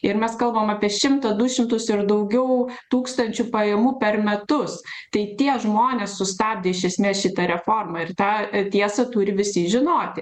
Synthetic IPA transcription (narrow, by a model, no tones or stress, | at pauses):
ɪɾmʲɛskɐlˠbɐmɑːpʲiɛʃʲɪmt̪ɐd̪ʊʃʲɪmt̪ʊsɪɾd̪ɐʊɡʲɛʊt̪uːkst̪ɐnʲt͡ʃʲupɐjɛmuːpʲɛrmʲɛt̪ʊs | t̪ɐɪt̪ʲiɛʒmoːnʲeːssʊst̪ɑːb̚ʲd̪ʲeːɪʃʲɛsʲmʲeːsʃʲɪt̪ɐɾʲɛfoːrmɐɪrt̪ɑːt̪ʲiɛsɐt̪ʊɾʲɪʋʲɪsʲiʒʲɪnoːt̪ʲɪ